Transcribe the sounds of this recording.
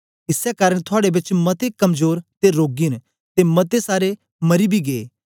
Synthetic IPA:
ɪsɛkaːɾəɽ̃t̪ʰʊaːɽebɪt͡ʃmɐt̪ekɐmzoːɾt̪eɾoːɡin | t̪emɐt̪esaːɾe | mɐɾibʱiɡeː

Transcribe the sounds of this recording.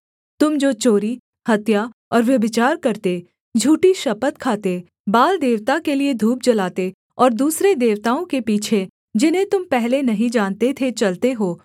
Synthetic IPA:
t̪ʊmd͡ʒoːt͡ʃoːɾi | hɐt̪jaɔːɾʋjɐbɪt͡ʃaːɾkɐɾt̪e | d͡ʒʱuːʈiʃɐpət̪kʰaːt̪e | baːld̪eːʋt̪akelied̪ʱuːp̚d͡ʒɐlaːt̪e | ɔːɾd̪uːsɾed̪eːʋt̪aːõkepiːt͡ʃʰe | d͡ʒɪnɦẽt̪ʊmpɛɦlenɐɦĩd͡ʒaːnt̪et̪ʰet͡ʃɐlt̪eɦoː

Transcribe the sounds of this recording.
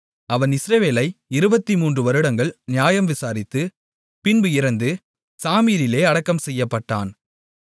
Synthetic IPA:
ɐʋɐnɪsɾɐʋeːlɐɪɪɾɯbɐt̪ːimuːndrɯʋɐɾɯɽɐŋɡɐɭnɪjaːjɐmʋɪsaːɾɪt̪ːɯ | pɪnbɯɪɾɐnd̪ɯ | saːmiːɾɪleːɐɽɐkːɐmsɛjːɐpːɐʈːa̰ːn

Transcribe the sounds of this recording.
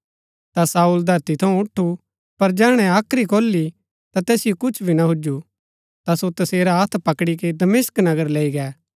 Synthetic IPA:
t̪asaːuːld̪ʱɐɾt̪it̪ʰɐũʊʈʰːu | pɐɾd͡ʒɛːɽ̃ɛ̃aːkʰɾikoːlːi | t̪at̪ɛːsɪjokʊt͡ʃʰbʱinaɦʊd͡ʒu | t̪asot̪ɐseːɾaɦɐt̪ʰpɐkɽiked̪ɐmeːsknɐɡəɾleːiɡɛː

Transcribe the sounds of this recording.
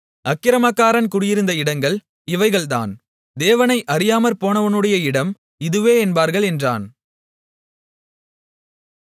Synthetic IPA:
ɐkːɪɾɐmaːkːaːɾɐnkʊɽɪjɪɾɯnd̪ɐɪɽɐŋɡɐɭ | ɪʋɐɪɣɐɭt̪a̰ːn | d̪eːʋɐnɐɪʔɐɾɪjaːmɐɾpoːnɐʋɐnɯɽɐjɐɪɽɐm | ɪðɯʋeːɛnbaːɾɣɐɭɛndra̰ːn

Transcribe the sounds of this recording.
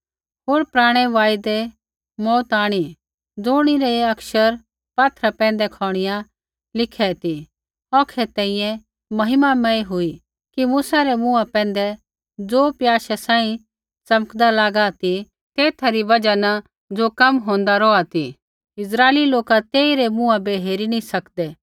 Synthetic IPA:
ɦoːɾpɾaːɽ̃ɛʋaːjd̪ɛ | mɔːt̪aːɽ̃i | d͡zoːɽ̃iɾɛɐkʃəɾ | paːt̪ʰɾapɛ̃ːnd̪ɛkʰɔːɽ̃ɪjã | lɪkʰɛt̪i | ɔːkʰɛt̪ɛ̃ːĩjɛ̃ | mɐɦɪmamɛ̃iɦʊi | kimuːsaɾɛmũapɛ̃ːnd̪ɛ | d͡zoːpjaːʃɛsãːĩ | t͡sɐmkd̪alaːɡat̪i | t̪eːt̪ʰaɾiʋɐd͡ʒana | d͡zokɐmɦõːnd̪aɾɔːat̪i | ɪs̬ɾaːeliloːkat̪eːiɾemũabeɦeːɾinĩsɐkd̪ɛ

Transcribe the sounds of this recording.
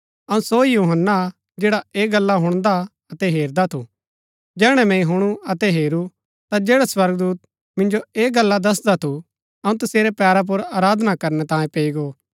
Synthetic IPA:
ɐũsojuːɦənːa | d͡ʒeːɽaeːɡɐlːaɦʊɽ̃d̪a | ɐt̪ɛɦeːɾd̪at̪ʰu | d͡ʒɛːɽ̃ɛ̃mɛ̃ĩɦʊɽ̃uɐt̪ɛɦeːɾu | t̪ad͡ʒeːɽaswɐɾɡd̪uːt̪̚ | mɪ̃nd͡ʒoeːɡɐlːad̪ɐs̬d̪at̪ʰu | ɐũt̪ʊseːɾepɛːɾap̬ʊɾaːɾaːd̪ʱnakɐɾnɛt̪ãːjẽpeːiɡoː

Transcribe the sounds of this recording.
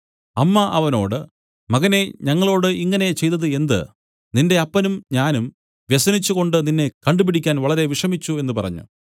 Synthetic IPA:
ɐmːɐʔɐʋɐno̞̰ːɽɨ | mɐɣɐne̞ɲɐŋːɐɭo̞ːɽɨiŋːɐne̞t͡ɕe̞jt̪ɐðɨe̞nd̪ɨ̰ | ninde̞ɐpːɐnumɲaːnum | ʋjesɐnit͡ɕːuɣo̞ɳɖɨninːe̞kɐɳɖupiɽikʲːaːnʋɐɭɐɾe̞ʋiʂɐmit͡ɕːue̞nːɨpɐrɐ̰ɲːṵ

